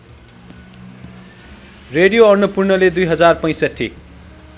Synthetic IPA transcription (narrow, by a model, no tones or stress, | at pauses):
reɖijoʌnːupurnʌled̪ujɦʌd͡zarpʌj̃sʌʈʰːḭ